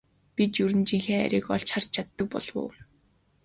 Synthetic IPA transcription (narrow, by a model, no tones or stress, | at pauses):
pit̪jɵɾɘ̆nt͡ɕiŋxeːæ̰ɾʲiːkɔɮt͡ɕχar̥t͡ɕt͡ɕʰat̪ːə̆k̚pɔ̰ɮwʊ̰ː